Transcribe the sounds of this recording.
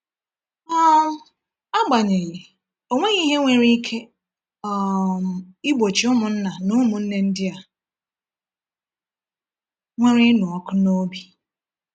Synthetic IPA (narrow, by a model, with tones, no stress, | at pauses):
ɔ˦ | a˦ɡ͡ba˨ɲe˨ɣi˨ | o˨ŋʷe˦ɣi˦ɦe˦ŋʷe˦ɾi˦kʰe˦ | ɔ˨ | i˦ɡ͡bo˨t͡ʃi˨ʊ˦mʊ˨n̩˦na˨nʊ˦mʊ˨n̩˦ne˦n̩˦dɪ˦a˨ | ŋʷe˦ɾi˦nʊ˨ɔ˦kʊ˦no˦bi˨